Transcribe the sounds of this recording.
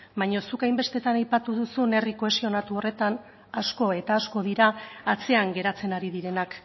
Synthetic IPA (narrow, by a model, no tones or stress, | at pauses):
bajɲo̞sukajmbe̞st̪e̞t̪anajpat̪uðusune̞rikoe̞sio̞nat̪uo̞re̞t̪an | asko̞e̞t̪aːsko̞ð̞iɾaat͡se̞aŋɡe̞ɾat͡se̞naɾiðiɾe̞nak